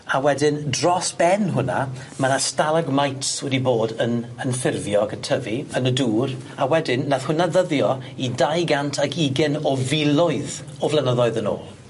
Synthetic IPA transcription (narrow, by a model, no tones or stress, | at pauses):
awɛdɪndrɔsb̥ɛnɦʊna̰ | manastalˠaɡmajtswɛdiboːdənənfɪrvjɔɡətʰəviənəduːr | awɛdɪnːaθhʊnaðəðjɔidajɡantʰaɡʰiɡɛnɔvɪlˠɔɨð | ɔvlˠɛnəðɔɨðəno̰ːlˠ